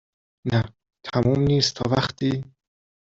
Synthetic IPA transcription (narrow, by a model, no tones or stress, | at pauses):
næ | t̪ʰæmuːmniːst̪t̪ʰɒ̰ːvæχt̪ʰiː